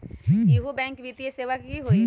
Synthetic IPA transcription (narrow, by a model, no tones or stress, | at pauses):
iɦubɛ̃ːŋkʋit̪ieseːʋəkɦiɦoːi